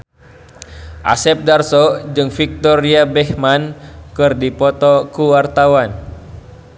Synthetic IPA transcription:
ʔa̰sɛp̚darsod͡ʒɨŋfik̚t̪ɔɾiabɛhmankɨrdipɔt̪ɔkuwart̪awan

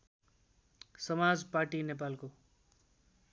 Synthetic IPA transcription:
sʌmad͡zparʈinep̬alko

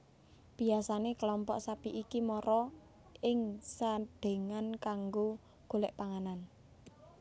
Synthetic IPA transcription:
b̥i̤asanekəlɔmpɔʔsapiʔikimɔɾɔ | ɪŋsad̪̥e̤ŋankaŋɡo | ɡ̥o̤lɛʔpaŋanan

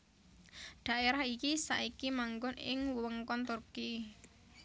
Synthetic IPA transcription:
ɖ̪̥ä̤ʔeɾahikisa̰ʔikimaŋɡʊnɪ̰ŋwəŋkɔnt̪urki

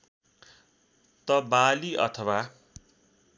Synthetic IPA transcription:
t̪ʌbaliʔʌ̰t̪ʰʌwa

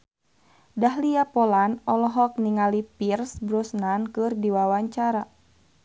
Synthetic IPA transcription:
daɦliapɔlanɔlɔɦɔk̚niŋalipirsbɾɔsnankɨrdiwawaɲt͡ʃaɾa

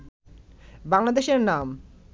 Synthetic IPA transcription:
baŋlad̪eʃeɾnam

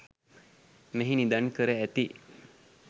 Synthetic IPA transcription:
meɦinid̪ankəɾəæt̪i

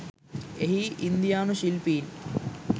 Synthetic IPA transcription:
eɦiind̪ijaːnuɕilpiːn

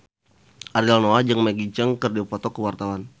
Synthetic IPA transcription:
ʔaɾialnoad͡ʒəŋmaɡid͡ʒəŋkərdiupɔt̪ɔkəwart̪awan

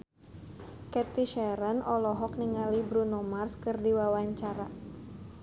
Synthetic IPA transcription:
kɛt̪iʃɛɾənɔlɔɦɔk̚niŋalibɾunomarskɨrdiwawaɲt͡ʃaɾa

